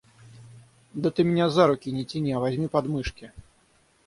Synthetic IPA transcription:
d̪ɐt̪ɨmʲnʲazaɾukʲinʲɛt͡sʲinʲiɐvazʲmʲipad̪mɨʂkʲi

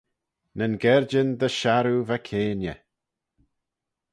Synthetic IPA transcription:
nənɡɛɹd͡ʒənd̪əʃaɾuvakʰeːnjə

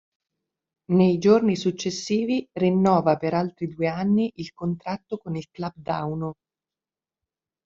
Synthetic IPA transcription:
nejd͡ʒornisut͡ʃːesːiːvirinːɔːvapeɾalt̪ɾid̪ueanːiʔilkont̪ɾat̪ːokonilklab̚d̪awno

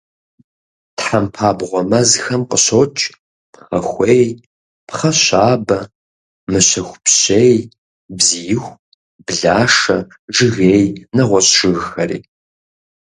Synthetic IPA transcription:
tħampʰaːbʁʷɔmɐzxɐmqʼəɕot͡ʃʼ | xɐxʷeːj | pχɐɕaːbɐ | mɨɕɐxʷpɕeːj | bzijɪxʷ | b̥ɮaːʂɐ | ʐɨɣeːjnɐʁʷɔɕʃɨɣxɐrḭː

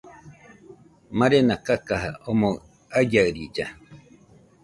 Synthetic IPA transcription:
mãɾenakakaɦa̰ʔomõ | ajaɯɾid͡ʒa

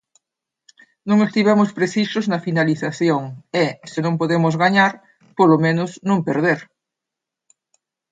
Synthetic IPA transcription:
nõŋest̪iβɛmospɾeθisʊznɐfinaliθaθjoŋɛsɪnõŋpoðemʊzɣaɲaɾ | polomenʊsnõŋpeɾð̞eɾ

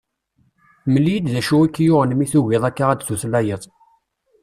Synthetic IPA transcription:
məlijəd̪ðæʃuækːjʊʁnəmiθuwɪðˤækːaʁæd̪θuθlæjəðˤ

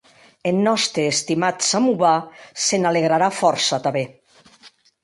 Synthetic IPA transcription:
enːɔst̪ɾeːst̪imat̪samuβasenaleɣ̞ɾaɾafɔɾsat̪aβe

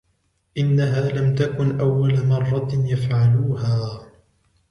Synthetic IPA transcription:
ʔɪnːaɦaːlamt̪akʊnʔawːalamɑrˤːɑjafʕaluːɦaː

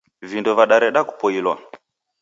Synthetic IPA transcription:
vindɔvaɗaɾɛɗaku̥pɔilwa̰

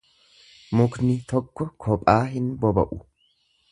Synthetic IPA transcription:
mʊknɪt̪ɔkːɔkʰɔpʼaːɦɪnbɔbɐ̰ʔʊ

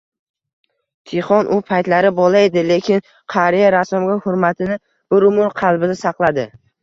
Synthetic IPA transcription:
t̪ʰeχɒnʔʊpʰajt̪laɾɪbɒlˠaed̪ɪle̞kʲʰɪn | qʰaɾijaɾasɒmɡʲahʊɾmat̪ʰɪnɪ | b̥ʊɾʊmʊɾqʰɑlˠbɪnɪsɑqlˠad̪ɪ

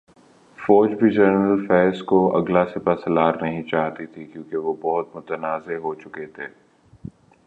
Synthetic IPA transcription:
fɔːd͡ʒbʱid͡ʒəɾnəlfɛːskoɐ̰ɡlasɪpasɐlaːɾnɐɦĩt͡ʃaːɦt̪it̪ʰikjũːkeʋobɔɦʊt̪mʊt̪ənaːzeɦot͡ʃʊket̪ʰeː

